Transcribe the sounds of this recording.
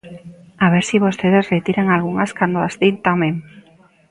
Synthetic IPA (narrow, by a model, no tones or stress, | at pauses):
aβeɾsiβost̪eðesret̪iɾeŋalɣuŋaskand̪oast̪int̪amẽŋ